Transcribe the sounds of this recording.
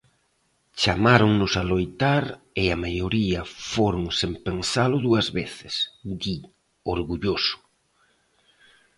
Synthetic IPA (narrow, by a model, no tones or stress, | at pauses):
t͡ʃamaɾoŋnʊsalojt̪aɾɪamajoɾiɐfoɾʊŋsempensalʊðuɐzβeθɪsd̪i | oɾɣuʎosʊ̥